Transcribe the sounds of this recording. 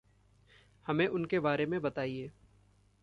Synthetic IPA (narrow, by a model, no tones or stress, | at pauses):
hɐmẽʔʊnkebaːɾemẽbɐt̪aːieː